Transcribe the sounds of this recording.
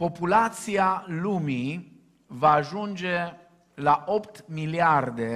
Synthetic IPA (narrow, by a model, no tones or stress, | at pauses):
po̞pulat̪sialumi | vaːʒund͡ʒe | laʔopt̪miliard̪e